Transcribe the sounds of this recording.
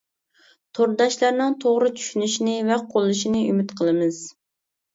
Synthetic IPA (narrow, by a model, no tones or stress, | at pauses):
t̪ʰoɾd̪ɑʃlˠɑɾnɨŋt̪ʰoʁɾɨt͡ʃʰy̥ʃynyʃinɪvɛqʰolˠɨʃinɨymɪt̪qʰəlˠɨmɨz̥